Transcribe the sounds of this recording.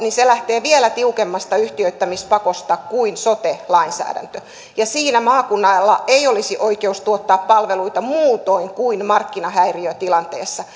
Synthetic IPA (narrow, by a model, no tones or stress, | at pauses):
niselæht̪eːʋielæt̪iukemːɑst̪ɑyht̪iøit̪ːæmispɑkost̪ɑkuinsot̪elɑinsæ̰ːdæ̰nt̪ø | jɑsiːnæmɑːkunːɑlːɑ̰eiolisiʔoikeust̪uot̪ːɑːppɑlʋeluit̪ɑmuːt̪oiŋkuinmɑrkːinɑhæiriøt̪ilɑnt̪eːsːɑ